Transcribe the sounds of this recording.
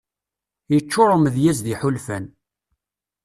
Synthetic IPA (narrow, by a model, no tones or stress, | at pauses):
jət͡ʃːʊɾˤʊməðjæzðiħʊlfæn